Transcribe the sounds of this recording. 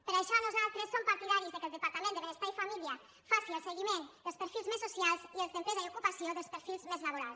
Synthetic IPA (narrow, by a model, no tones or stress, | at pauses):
pəɾaðeʃaɾnozalt̪ɾesompaɾt̪iðaɾizðəkelˠd̪əpaɾt̪amend̪əβenest̪aifamilia | fasiəlˠseɣimend̪əlspəɾfilˠzmesːosjalˠzielsent̪ezajokupasjoðəlspəɾfilˠzmezlaβ̞oɾalˠs